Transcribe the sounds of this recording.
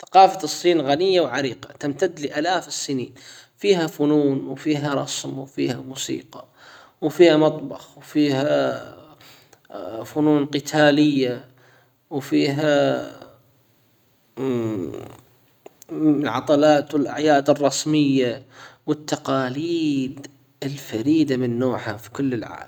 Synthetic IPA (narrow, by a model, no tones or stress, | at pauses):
θḁqɑːfasˤːiːnɣanɪjːawʕaɾiːqat̪amt̪ad̪ːlɪʔaːlaːfsːɪniːnfiːɦafʊnuːnwfiːɦaɾˤɑ̰smwfḭːhamuːsḭːqɑ | wfiːhamɑt̪ˤbɑxwfiːɦa | fʊnuːnqɪt̪ʰaːlɪjːa | wfiːɦa | ʕɑ̰t̪ˤɑlɑːt̪ɪlʔa̰ʕjaːd̪ɨrˤːɑsmɪjːawɪt̪ːɑqɑːliːd̪ | ɪlfaɾiːd̪amɪnːoːħhafi̥kʊlːɪlʕa̰ːlm